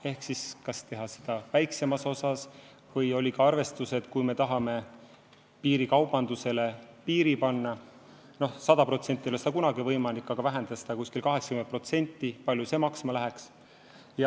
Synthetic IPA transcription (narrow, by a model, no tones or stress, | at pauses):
e̞hksiskɑst̪e̞ɦɑsi̥d̪̥ɑvæjkse̞mɑso̞sɑs | vɤjo̞lʲikɑɑrve̞st̪use̞d̪̥kujme̞t̪ɑɦɑme̞ | piːɾikɑwb̥ɑnd̪use̞le̞piːɾipɑnːɑ | no̞hsɑd̪̥ɑpro̞t̪senʲt̪ːˑio̞lesi̥d̪ɑkunɑɡivɤjmɑlikːˑɑɡ̥ɑvæɦend̪̥ɑse̥d̪ɑkusʲkilkɑɦe̞ksɑ̥kymen̚pro̞t̪se̞nʲt̪ːipɑlʲjuse̞ːmɑksmɑlæɦeks | jɑ